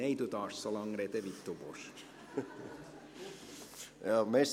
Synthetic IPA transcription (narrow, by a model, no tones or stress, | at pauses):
eit̪ut̪ɑːssɑlɑŋɾet̪eʋit̪ːupos | jɑmes